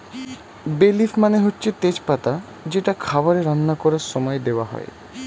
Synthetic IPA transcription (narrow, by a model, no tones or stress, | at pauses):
belifmaneɦotːɕʰet̪ed͡ʑpat̪a | d͡ʑeʈakʰabaɾeɾanːakɔɾaɾʃɔmɔed̪eoaɦɔ̰e